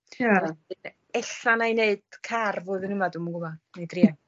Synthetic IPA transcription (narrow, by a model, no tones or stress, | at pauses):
jaaɨn | ɛɬanajneɨd̥kʰarvoːðənəmadumaɡʊlɔnejdria